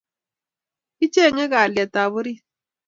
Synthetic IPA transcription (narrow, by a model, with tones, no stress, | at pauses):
i˦t͡ʃe˦˨ɲɛ˦ɣa˨lja˨ta˨βʊ˦ɾi˦